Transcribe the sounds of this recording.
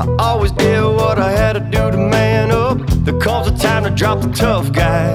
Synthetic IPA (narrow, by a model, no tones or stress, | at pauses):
aɔlˠwizdɪwʌɾaɪɨd̚tɨdɨðəmæ̃nʌp̚ðɨkʰɔmzə̥tʰãɪ̃mtʰɨdɹɑp̚ðətʰʌfɡ̥aɪ